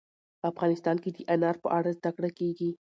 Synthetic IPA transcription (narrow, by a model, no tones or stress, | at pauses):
pəafɣɑnɪst̪ɑnked̪əʔanɑɾpəʔaɽazd̪akɽakeɡi